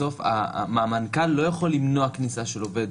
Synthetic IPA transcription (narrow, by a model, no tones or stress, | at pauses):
o̞fa̰maːmankalːo̞jaχolːimnoaknisaʃe̞lo̞ved